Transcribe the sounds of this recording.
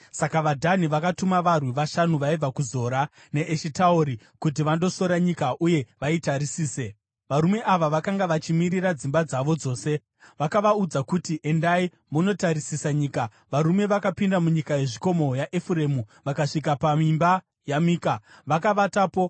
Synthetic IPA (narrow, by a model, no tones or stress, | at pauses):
sakaʋadʱaniʋakatumaʋarwiʋaʃanuʋaib͡vakuzo̞ːɾa | ne̞ʔeʃitaoɾi | kut̬iʋando̞so̞ɾaɲikaʔuje̞ʋaitaɾisiːse | ʋaɾume̞ʔaʋaʋakaŋɡaʋat͡ʃimiɾirad͡zimbad͡zaʋo̞d͡zo̞ːse̞ | ʋakaʋaud͡zakutiʔe̞ndai | muno̞taɾisisaɲiːka | ʋaɾume̞ʋakapindamuɲikaje̞ʐiko̞mo̞jaʔefuɾe̞muʋakaʂik̬apamimba | jamiːkaʋakaʋatapo̞